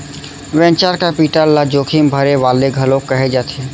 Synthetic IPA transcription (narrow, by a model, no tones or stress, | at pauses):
ʋɛ̃ːnt͡ʃaːɾkapiːʈəɾlad͡ʒoːkʰimbʱɐɾeʋaːleɡʱɐlõkːəɦed͡ʒaːt̪ʰeː